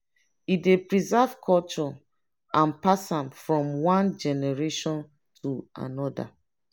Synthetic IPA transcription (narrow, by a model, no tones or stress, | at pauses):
idepɹizɛv̥kʰɔlt͡ʃɔ | ʔãnpasãmfɹɔ̃mwãnd͡ʒɛnɛɹeʃɔ̃n | tʰua̰nɔda̰